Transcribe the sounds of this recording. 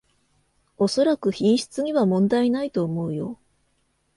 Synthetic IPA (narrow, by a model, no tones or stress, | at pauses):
o̞so̞ɾakɯ̟çĩɰ̃ɕi̥t͡sɨɲ̟iβamõ̞nd̪ainait̪o̞ːmo̞ɯ̟jo̞